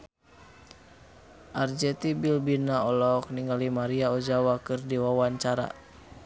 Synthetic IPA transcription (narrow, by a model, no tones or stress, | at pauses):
ʔard͡ʒɛt̪ibilbinaɔlɔk̚niŋɡalimaɾiaɔd͡ʒawakɨrdiwawaɲt͡ʃaɾa̰